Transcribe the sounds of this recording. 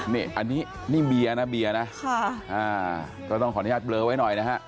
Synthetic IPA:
ni˥˩ʔa˧nːiː˦˥ | ni˥˩ŋbi˧a˧na˦˥biː˧a˧na˦˥kʰa˥˩ʔaː˧˩ | kɔː˥˩t̪ɔ˥˩ŋʰɔː˨˦jaː˥˩lɤː˧wa˦˥jnɔ˨˩jna˦˥ɦa˦˥ʔ

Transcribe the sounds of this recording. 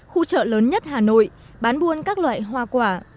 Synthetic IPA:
xu˧t͡ɕə̰ː˧˨ləː˨˦nɲə˦˥t̚haː˨˩no̰˧˨j | ɓaː˨˦nɓu˧ənkaː˦˥k̚lwa̰ː˧˨jɦwaː˧˩kwaː˧˩

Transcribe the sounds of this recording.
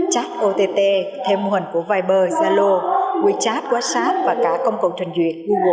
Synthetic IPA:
t͡ɕaː˦˥t̚ʔo˧t̪e˧t̪e˧t̪ʰe˧mːo˧˩hə˨˩ŋku˧˩əvaː˧jɓəː˧zaː˧lo˧kwi˧˩˦t͡ɕaː˦˥t̚kwaː˧˥saː˦˥t̚vaː˨˩kaː˧˩kə˧wŋ͡mkə˨˩wt͡ɕʰwə˨˩nzwḭ˨˩ən̚ɣu˧ɣo˨˩

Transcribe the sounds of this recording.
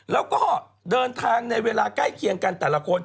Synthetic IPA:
lɛː˦˥wkɔː˥˩˥ | dɤː˧nt̪ʰaː˧ŋna˧jweː˧laː˧ka˥˩jkʰi˨˧əŋka˧nt̪ɛː˨˩la˧kʰo˧n

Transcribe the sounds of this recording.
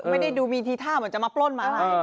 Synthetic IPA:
ma˥˩jda˥˩jduː˧miː˧t̪ʰiː˧t̪ʰaː˥˩mɯ˩˦nt͡ɕa˨ʔmaː˧plo˥˩nmaː˧˩la˦˩˧

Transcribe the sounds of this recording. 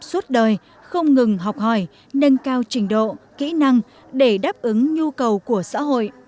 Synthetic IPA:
swə˦˥t̚ɗəː˨˩j | xə˧wŋ͡mŋɨ˨˩ŋɦa˨˩wk͡p̚hɔ˧˩j | nə˧nkaː˧wt͡ɕï˧˩ŋ̟ɗo̰˧˨kḭ˧˥na˧ŋ | ɗe˧˩ɗaː˦˥p̚ʔɨ˨˦ŋɲu˧kə˨˩wku˧˩əsa̰ː˧˥ɦo̰˧˨jʔ

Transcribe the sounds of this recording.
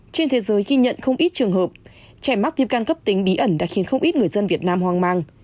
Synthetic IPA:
t͡ɕe˧nt̪ʰe˨˦zəː˨˦jɣi˧ɲə̰˧˨nxə˧wŋ͡mʔi˦˥t̚t͡ɕɨ˨˩ŋhəː˨˩p̚ | t͡ɕaː˧˩jma˦˥t̚vi˦˥p̚ka˧nkə˦˥p̚t̪i˨˦ŋ̟ɓi˨˦ʔə˧˩nɗa̰ː˧˥xi˨˦nxə˧wŋ͡mʔi˦˥t̚ŋɨ˨˩əjzə˧nvi˨˩ət̚naː˧mɦwaː˧˩ŋmaː˧ŋ

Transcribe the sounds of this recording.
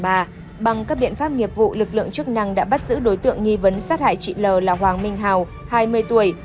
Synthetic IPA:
ɓaː˧ | ɓa˨˩ŋkaː˦˥k̚ɓḭ˧˨ənfaː˦˥p̚ŋi˨˩əp̚vṵ˧˨lɨ˨˩k̬̚lɨ̰˧˨əŋt͡ɕɨ˦˥ək̚na˧ŋɗa̰ː˧˥ɓa˦˥t̚zɨ̰˧˥ɗo˨˦jt̪ɨ̰˧˨əŋŋi˧və˨˦nsaː˦˥t̚ha̰ː˧˨jt͡ɕḭ˧˨ləː˨˩laː˨˩ɦwaː˨˩ŋmï˧ŋ̟ɦaː˨˩w | haː˧jmɨ˧əjt̪u˧˩əj

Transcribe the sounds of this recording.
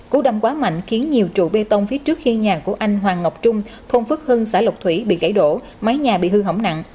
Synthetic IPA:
ku˨˧˦ɗa˧wŋ͡mkwaː˨˦ma̰˧˨jŋ̟xi˨˦ənɲi˨˩əwt͡ɕṵ˧˨ɓe˧t̪ə˧wŋ͡mfi˨˦t͡ɕɨ˦˥ək̚xi˧ɲaː˨˩ku˧˩əʔa˧jŋ̟ɦwaː˨˩ŋə˨˩wk͡p̚t͡ɕʊ˧ŋ͡mt̪ʰo˧nfɨ˦˥k̚hɨ˧ŋsaː˧˩lə˨˩w̚k͡p̚t̪ʰwi˧˩ɓḭ˧˨ɣa˧˩jɗo̰˧˩˨ | ma˨˦jɲaː˨˩ɓḭ˧˨hɨ˧ɦə˧˩wŋ͡mna̰˧˨ŋ

